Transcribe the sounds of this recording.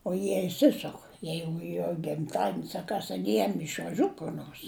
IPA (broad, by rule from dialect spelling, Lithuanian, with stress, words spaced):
oː ˈjiɛ ɪʃʲˈsʲɪsʊk ˈjɛɪɡʊ joː ɡʲɪmˈtɑːdʲiɛnʲɪs ɐ ˈkɐs ˈjɛm ɪʃʋɐˈʒʲʊt kʊr ˈnoːrs